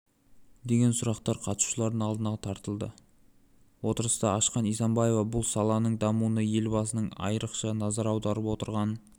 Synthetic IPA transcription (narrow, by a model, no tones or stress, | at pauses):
d̪e̞ɡʲe̞nsʊɾɑqt̪ɑɾqʰɑt̪ʃu̥ʃəlˠɑɾd̪ənɑlˠd̪ənɑt̪ʰɑɾt̪əlˠd̪ə̰ | wo̞t̪əɾəst̪ɑɑʃqɑnijsɑmbɑje̞vɑbʊlˠsɑlˠɑnəɴd̪ɑmunəje̞lbɑs̬ənəɴɑ̰jəɾəqʃɑnɑzɑɾɑwd̪ɑɾəpwo̞t̪əɾʁɑn